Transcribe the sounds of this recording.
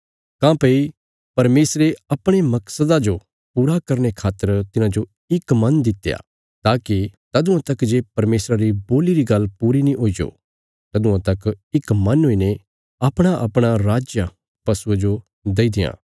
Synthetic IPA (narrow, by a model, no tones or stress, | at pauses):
kãːpɐi | pɐɾmeːsɾeɐpɽ̃emɐksəd̪ad͡ʒo | puːɾakɐɾñekʰaːt̪ːəɾt̪ɪnãd͡ʒo | ɪkmɐ̃nd̪ɪt̪ːeja̰ | t̪aːkit̪ɐd̪ʊ̃ãt̪ɐkd͡ʒeːpɐɾmeːsɾaɾiboːliɾiɡɐlːpuːɾinĩʔoːid͡ʒo̰ː | t̪ɐd̪ʊ̃ãt̪ɐkɪkmɐ̃nɦoːine | ɐpɽ̃aʔɐpɽ̃aɾaːd͡ʒja | pɐsued͡ʒo | d̪eid̪ɪjã̰ː